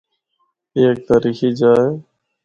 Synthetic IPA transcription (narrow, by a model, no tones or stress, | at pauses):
eːk̚t̪aːɾiːxiːd͡ʒaːeː